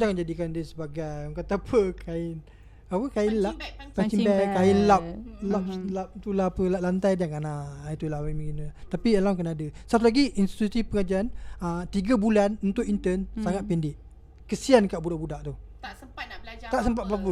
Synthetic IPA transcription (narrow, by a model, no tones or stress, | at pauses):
d͡ʒakand͡ʒadikandəsəbaɡajkat̪apʰəkʰaɪn | apəkainlaʔat͡ʃimbakaɪnlap̚lap̚lap̚t̪ulapəlaʔ̚lant̪ajdaŋanait̪ulaamikinlat̪apiəlaŋkənaːdəsəat̪ulaɡiʔinst̪i̥t̪usipəŋad͡ʒaanət̪iɡabulanunt̪ʊʔint̪ənsaŋat̪̚pindɪʔ | kəsiankaʔbudaʔbudaʔt̪u | aəablat̪aʔsəmpat̪̚babu